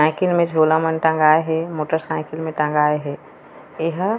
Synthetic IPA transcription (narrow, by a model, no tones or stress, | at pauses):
ãɪkɪlmẽd͡ʒʱoːlamənʈə̃ŋɡaːeɦɛmoːʈəɾsãɪkɪlmẽʈə̃ŋɡaːeɦe | ɪɦ